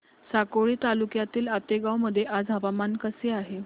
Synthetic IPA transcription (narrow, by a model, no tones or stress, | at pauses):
sakoɭiːt̪alukjat̪iːlat̪eɡawməd̪ʱːjeʔad͡zɦəʋamankəseaɦe